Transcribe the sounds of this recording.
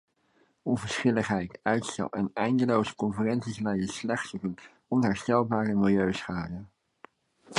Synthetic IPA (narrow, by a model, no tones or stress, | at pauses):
ɔnvəɹsχɪləχɦɛjtœɥtstɛ̰lˠʔɛ̰nɛjndəlowzə̥kɔnfyrɛnsislɛjəslɛχtsovək | ɔnɦɛɹstɛlˠbaːrəmɪlˠjøɥsχaːdə